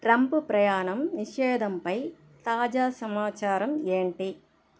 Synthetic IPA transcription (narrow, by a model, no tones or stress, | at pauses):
ʈɾɐmpupɾɐjaːɳɐmniʂɛːd̪ʱɐmpɐj | t̪aːd͡ʒaːsɐmaːt͡ʃaːɾɐmeːɳʈi